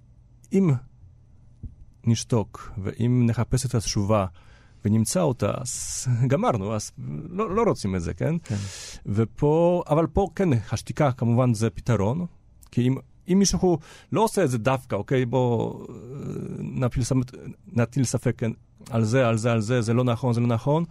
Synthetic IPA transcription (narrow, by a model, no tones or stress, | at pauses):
im | nʲiʃt̪ɔkvɛ̰ʔimnɛxapɛsɛt̪asʃuva | vɛɲʲimt͡sawt̪a̰sɡamaɾnuaslɔɾɔt͡simɛzɛ̰kɛ̰n | vɛpʰɔavalpɔkɛnxaʃt̪ʲikakamuvanzɛpʲit̪aɾɔn | kiim | imiʃɛxulɔsɛzɛd̪afkaɔkɛjbɔ | napʲilsamɛt̪nat̪ilsafɛkɛn | alzɛalzɛalzɛzɛlɔnaxɔnzɛlɔnaxɔn